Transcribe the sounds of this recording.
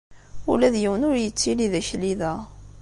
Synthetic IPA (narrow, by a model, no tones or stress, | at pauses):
ulæðjiwənʊɾjət͡sːiliðæçliðæ